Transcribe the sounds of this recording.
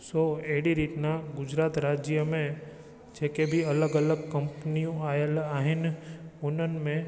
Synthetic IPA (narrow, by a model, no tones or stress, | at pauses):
soːeɦɽiɾiʈnaɡʊd͡ʒɾaːt̪ɾaːd͡ʒjəmẽ | d͡ʒɛkebʱiɐləɡɐləɡ̚kɐ̃mpnijõaːjəlaːɦɪnʊnənmẽ